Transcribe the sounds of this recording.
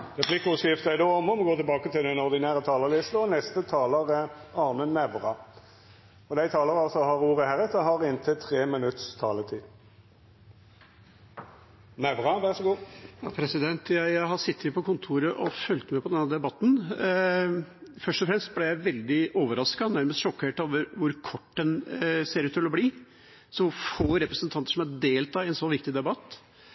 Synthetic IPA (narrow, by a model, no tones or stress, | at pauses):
ʁɛpʰlɪkːʊsɪft̪əæɪd̪oɔmɔmɡoːt̪ɪɛbɑːkət̪ɪld̪ɛnɔʁd̪ɪnæːʁət̪ʰɑːləlɪst̪əɔnɛst̪ət̪ʰɑːləʁɑʁmənːɛʋʁɑ | ɔd̪æɪt̪ʰɑːləɾɑlsɔhɑʁuːʁəhæʁɛt̪əɦɑʁɪnt̪ʰət̪ʰʁeːmɪnʉt̪st̪ʰɑːlət̪ʰiː | næʋʁɑʋæʁʂɔɡuːjɑːpʰɾɛsɪd̪ɛnt̪jæɪæɪɦɑsɪt̪ːɪpʰɔkʊnt̪ʰuːɾəʔɔfœlt̪mɛpʰɔd̪ɛnɑd̪ɛbɑt̪ːn̩ | fœʂʈɔfɾɛmst̪̚blɛjæɪʋɛld̪ɪʔoːʋəɾɑskɑnæɾməst̪ʃɔkːheːʈoːʋəɾʋʊɾkʰɔʈːd̪ɛnseːɾʉːt̪ːʰɪlɔbliː | sɔʋʊɾfoːɾɛpɾəsnt̪ʰɑnt̪əʂɔmɑd̪eːlt̪ʰɑːɪɛnsɔːʋɪkt̪ɪd̪ɛbɑt̪ː